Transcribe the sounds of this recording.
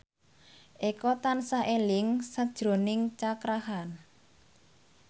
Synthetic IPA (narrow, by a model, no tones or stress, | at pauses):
ʔekɔt̪ansaʔelɪŋsad̥ʒ̥ɾo̤nɪŋt͡ʃakɾahan